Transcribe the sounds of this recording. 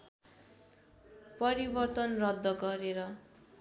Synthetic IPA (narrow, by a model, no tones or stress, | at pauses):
pʌɾibʌrt̪ʌnrʌd̪ːʌɡʌɾeɾʌ